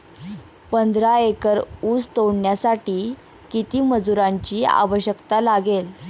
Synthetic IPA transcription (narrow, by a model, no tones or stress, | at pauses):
pənd̪ɾaekəɾuːst̪owɳjasaʈiː | kit̪iːməd͡zuɾaɲt͡ɕiːa̰ʋəɕjəkt̪alaɡel